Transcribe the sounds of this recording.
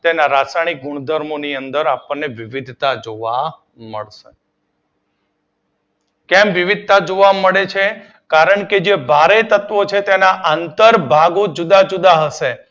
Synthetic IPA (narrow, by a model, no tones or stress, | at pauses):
t̪enaɾasaɽ̃ik̚ɡuɳ̃d̪ʱəɾmoniənd̪əɾapəɳːeʋiʋid̪ʱt̪ad͡ʒoʋa | mə̰ɭʃe | kɛmʋiʋid̪̚ʱt̪ad͡ʒoʋaməɭet͡ʃʰe | kaɾəɳked͡ʒebʱaɾet̪ət̪ʋot͡ʃʰet̪enaʔant̪əɾbʱaɡod͡ʒud̪ad͡ʒud̪aɦəʃe